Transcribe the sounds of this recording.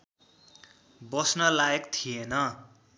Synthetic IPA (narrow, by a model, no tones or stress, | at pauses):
bʌsnʌlaekt̪ʰijenʌ